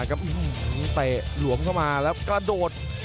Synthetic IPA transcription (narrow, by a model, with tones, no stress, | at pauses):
ka˦˥p̚ʔɯ˧˩t̪ɛ˨˩lu˨˩˦əmkʰa˥˩wmaː˧lɛː˦˥wkɾa˧doː˨˩t̪̚